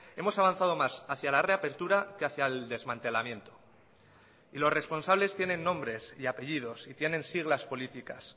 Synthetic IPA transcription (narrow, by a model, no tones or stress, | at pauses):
e̞mo̞saβ̞anθað̞o̞masaθjalare̞ape̞ɾt̪uɾakeaθjaeld̪e̞zmãnt̪e̞lamjẽ̞nt̪o̥ | ilo̞sre̞spo̞nsaβ̞le̞st̪je̞nẽ̞nːõ̞mbɾe̞siape̞ʝið̞o̞sit̪je̞nẽ̞nsiɣ̞laspo̞lit̪ikas